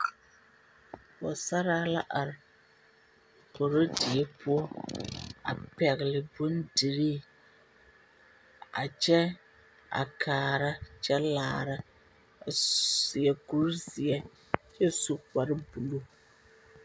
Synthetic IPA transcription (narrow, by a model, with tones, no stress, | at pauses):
wa˨sa˦ɾa˦la˦ʔa˨ɾɪ˨ | ko˨ɾo˦dɪ˨ɛ˦pʊ˦ɔ˦ | a̰˨pɛ˨ɣɪ˨lɪ˨bʊ˦ndi˨ɾiː˦ | a̰˨t͡ʃɛ˦ | a̰˨kʰaː˨ɾa˦t͡ʃɛ˦laː˨ɾa˦ | a˨sɪ˨ɛ˨ku˦ɾzɪ˨ɛ˦ | t͡ʃɛ˦su˨k͡pa˨ɾɪ˦bu˨lo˦